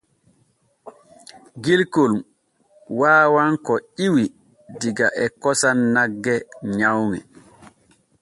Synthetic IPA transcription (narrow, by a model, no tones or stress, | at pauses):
ɡilkol | waːwaŋkɔiwi | diɡaʔɛkɔsanːaɡːɛɲawŋɛ